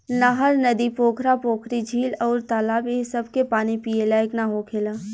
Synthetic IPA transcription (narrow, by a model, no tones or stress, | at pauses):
naɦɐɾnɐd̪ipoːkʰɾapoːkʰɾid͡ʒʱiːlɔːɾt̪aːlaːbesɐbʱkepaːnipielaːɪknaɦoːkʰelaː